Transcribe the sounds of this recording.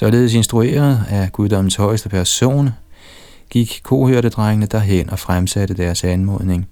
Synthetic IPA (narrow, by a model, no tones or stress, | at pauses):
sɒ̽le̝ːð̞̩ˠse̝nsd̥ʁue̝̰ːɐð̩ˠæɡ̥uðˠd̥ɒ̽m̰n̩shɒ̽ɪsd̥əpʰæɐso̝̰ːn | ɡ̥iɡ̥kʰo̝̰ːhøɐɾ̥əd̥ʁaŋənəd̥æɦen̰ʔɒ̽fʁamsæɾ̥əd̥æɐsænmɔ̽ð̞ˠne̝ŋ